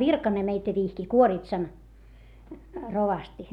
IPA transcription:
ʋirkɑne meitæ ʋihki kuoritsɑn roʋɑsti

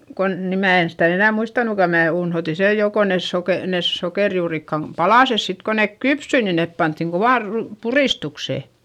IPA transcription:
kon ni mæː en sitæ enæˑ muistɑnukɑ mæː unhoti sej jo ko nes soke nes sokeˑrjuːrikːɑm pɑlɑˑses sit ko neˑk kypsy ni nep pɑntːiŋ koʋɑˑr ru puriˑstukse

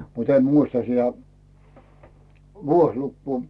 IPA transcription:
mut em muistɑ sitæ ʋuoslukːuː

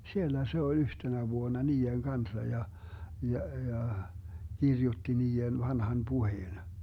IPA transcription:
sielːæ se olʲ yhtenæ ʋuonɑ niːeŋ kɑnsɑ jɑ jɑ jɑ kirjutːi niːen ʋɑnhɑn puheːn

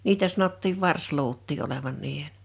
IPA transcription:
niːtæ sɑnotːiːʋ ʋɑrsluːtˑiː oleʋɑn niːhen

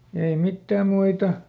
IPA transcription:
ei mitːæːm̆ muitɑ

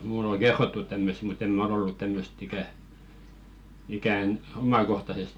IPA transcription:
muˑl oŋ̞ ɡ̊erːotːut tæmːøst̆ mut em mæ̆ ol olːu tæmːøst ikæ ikæˑn omɑkohtɑsest

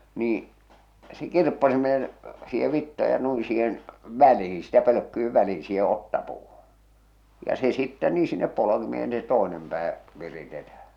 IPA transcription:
niː se kirpːɑsimeːn siːhe ʋitːɑ jɑ nui siːhen ʋælihi̥ sitæ pøløkːyiʋ ʋæliː siːhe otːɑpuːhu̥ jɑ se sitːɛ niː sinːep polokimeːn se toenem pæː ʋiritetæh̞æ

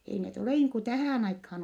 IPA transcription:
ei net oleˑ niːŋ ku tæhæˑn ɑikhɑːn

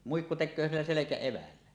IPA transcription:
muikːu tekˑøː silːæ selekæeʋælːæ

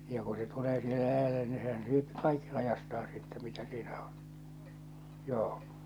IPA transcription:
jɑ ku se tuleː sihe læjælːe ni sehæn syøpi kɑikːi lɑjɑstɑːn̞ sitːɛ mitæ siːnæ o̥n̥ joː

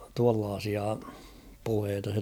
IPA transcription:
tuɑlːɑːsiɑ puheːtɑ se

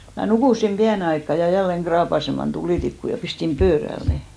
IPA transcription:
mæ nukuˑsim piæne ɑikːɑ jɑ jælːeŋ ɡ̊rɑːpɑsemɑn tuliˑtikːu jɑ pistim pøːræl ne

